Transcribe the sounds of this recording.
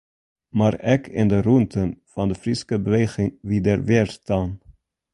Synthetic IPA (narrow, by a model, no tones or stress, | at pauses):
maːɾɛkʰɪndəruntʰənfɑndəfrɪskəbəʋeːχɪŋʋidərʋɪːɹstaːn